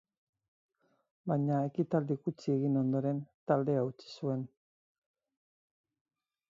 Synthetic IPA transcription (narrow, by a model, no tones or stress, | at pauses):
bajɲae̞kit̪ald̪ikut͡sie̞ɣino̞nd̪o̞ɾe̞nt̪ald̪e̞aut͡ʃi̥sue̞n